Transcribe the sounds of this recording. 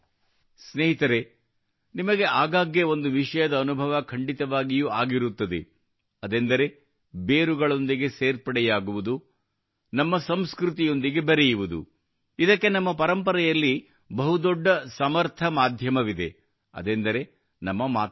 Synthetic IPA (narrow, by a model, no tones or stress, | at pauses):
sneːɦit̪ɐɾe̞ | nimɐɡe̞ʔaːɡaːɡjeo̞nd̪uʋiʂɐjɐd̪ɐːnubʱɐʋɐkʰɐɳɖit̪ɐʋaːɡijuːaːɡiɾut̪ːɐd̪e̞̰ | ɐd̪end̪ɐɾe̞ | beːɾuɡɐɭo̞nd̪iɡe̞seːɾpɐɽɛjaːɡuʋud̪u | nɐmːɐsɐmskɾut̪ijo̞nd̪iɡe̞bɐɾejuʋud̪ṵ | id̪ɐkːe̞nɐmːɐpɐɾɐmpɐɾɐjɐlːi | bɐɦud̪ɔɖːɐsɐmɐɾt̪ʰɐmaːd̪ʱjɐmɐʋid̪e̞̰ | ɐ̰d̪end̪ɐɾe̞ | nɐmːɐmaː